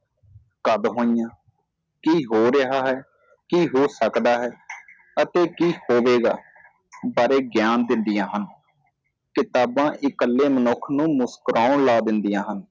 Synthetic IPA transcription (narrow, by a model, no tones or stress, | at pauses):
kəd̪ɦõːɪjãː | kiːɦoːɾəɦaːɦɛː | kiːɦoːsəkd̪aːɦɛː | ət̪eːkiːhoːʋeːɡa̰ː | baːɾeːɡjaːnd̪ɪnd̪ɪjãːɦən | kɪt̪aːbãːʔɪkəlːeːmənʊkʰnũːmʊskəɾʔaːʊɳlaːd̪ɪnd̪ijãːɦən